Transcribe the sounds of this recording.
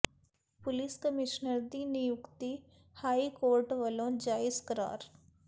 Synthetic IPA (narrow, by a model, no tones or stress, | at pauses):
pʊlɪskəmɪʃnəɾd̪inɪjʊkt̪i | haːikoːɾʈʋəlõd͡ʒaːɪskəɾa̰ːɾ